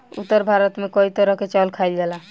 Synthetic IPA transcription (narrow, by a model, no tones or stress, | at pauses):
ut̪ːəɾbʱaɾət̪mekɔit̪oɾɔket͡ʃəlkʰajlɡɛla